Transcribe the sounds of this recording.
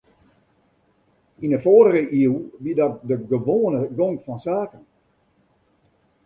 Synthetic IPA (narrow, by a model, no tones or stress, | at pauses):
inəfoːɾəʁəʔiəwʋidɔt̚dəɡəʋoːnəɡoŋkfɔnsaːkən